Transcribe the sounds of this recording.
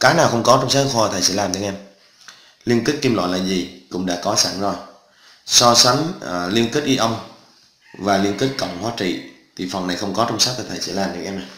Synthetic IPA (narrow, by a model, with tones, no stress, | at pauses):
kaː˨˦naː˨˩wxə˧wŋ͡mkɔ˨˦t͡ɕɔ˧wŋ͡msaː˦˥˦hɔː˧˨˩t̪ʰaː˨˩jsɛ̰˧˥˦laː˨˩mɗə˧˦ŋʔɛ˧m | li˧ənki˦˥k̟̚ki˧mlɔ̰ː˧˨laː˨˩zi˨˩kʊ̰˧˥ŋ͡mɗa̰ː˧˥kɔ˨˦saː˧˩ŋzɔ˨˩j | sɔ˧sa˨˦ŋ˩li˧ənki˦˥t̚ʔi˧ʔə˧wŋ͡m | vaː˨˩li˧ənki˦˥t̚kə̰˧˨wŋ͡mhwaː˨˦t͡ɕḭ˧˨ | t̪ʰi˨˩fə˨˩wna˨˩jxə˧wŋ͡mkɔ˨˦t͡ɕɔ˧wŋ͡msaː˦˥t̪̚ʰːə˨˩t̪ʰa˨˩sɛ̰˧˥laː˨˩mɗə˧˦ŋʔɛ˧mna˨˩j